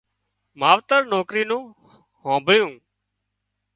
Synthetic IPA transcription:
maːʋt̪əɾnoːkɾiːnũː | hõːbʱəɭɪjũː

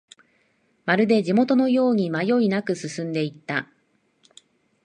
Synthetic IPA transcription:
maɾɯ̟d̪e̞ʑimo̞t̪o̞no̞jo̞ːɲ̟imajo̞inakɯ̟sɨsɨ̃nd̪e̞it̪ːa

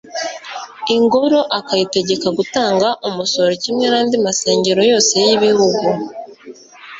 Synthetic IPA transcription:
iŋɡo̞ɾo̞ʔakajite̞ɟe̞kaɡutaːŋɡaʔomuso̞ɾocimŋenaːndimase̞ːɲɟe̞ɾo̞jo̞ːse̞jiβihuɡu

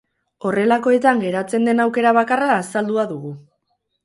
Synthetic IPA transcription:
o̞re̞lako̞e̞t̪aŋɡe̞ɾat͡se̞nd̪e̞nawke̞ɾaβakaraːsald̪uaðuɣu

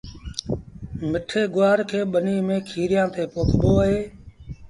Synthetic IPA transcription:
mɪʈʰeːɡʊaːɾkʰeːɓəniːmẽːkʰiːɾɪjãːt̪eːpoːkʰboːəɦeː

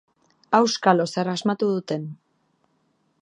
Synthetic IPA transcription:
awskalosaɾazmat̪uðut̪e̞n

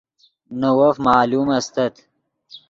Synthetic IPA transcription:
nɐwɐfmɑːluːmɐst̪ɐt̪

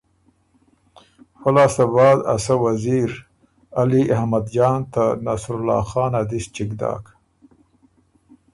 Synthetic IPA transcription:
xalɑːsabɑːd̪a̰sawaziɾ | aliʔahmad̪d͡ʒɑːnt̪anasɾʊlɑ̰ːxɑːnad̪ist͡ʃiɡd̪ɑ̰ːk

